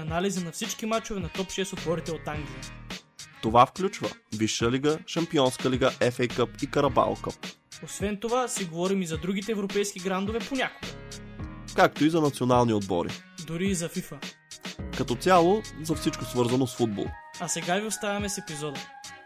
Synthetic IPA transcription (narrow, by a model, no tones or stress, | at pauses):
ɐnalizənɐfsit͡ʃkimat͡ʃovɛnɐt̪ɔpʃɛst̪ot̪vɔɾit̪ɛot̪aŋɡlʲijə | t̪ovafklʲut͡ʃvə̰viʃːəliɡəʃɐmpiɔnskɐliɡəʔɛfɛjkəpikɐɾɐba̰lˠkə̰osvɛnt̪ovasiɡovɔɾimizɐd̪ɾuɡ̟it̪ɛvɾopɛjsk̟iɡɾand̪ovɛponʲakoɡə | kak̚t̪oizɐnɐt̪sionalˠniod̪̚bɔ̰ɾḭ | d̪ʊɾiːzɐfifə | kɐt̪ɔt̪sʲalˠozɐfsit͡ʃkosvɤɾzɐnosfud̪̚bo̰lˠɐsɛɡaviost̪avʲɐmɛsɛpizɔd̪ə